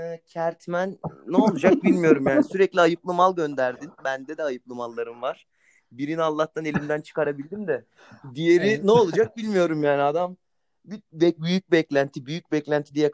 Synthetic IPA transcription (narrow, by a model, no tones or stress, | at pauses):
cʰæɾt̪ʰmænːɛolˠud͡ʒak̚bilʲmijo̞ɾumjaːniisyɾɛclʲiajɯplˠɯmalˠɟø̞nd̪æɾd̪inbænd̪ɛd̪ɛajɯplˠɯmalˠːaɾɯmvaɾ̥ | biɾinalˠːaht̪ʰane̞lʲimd̪ænt͡ʃʰɯ̥kaɾabilʲd̪imd̪ɛ | d̪ijeɾinɛolˠud͡ʒak̚bilʲmijo̞ɾumjaːniad̪am | bibɛbyjyc̚bɛclʲænt̪ʰibyjyc̚bɛclʲænt̪ʰid̪ijɛ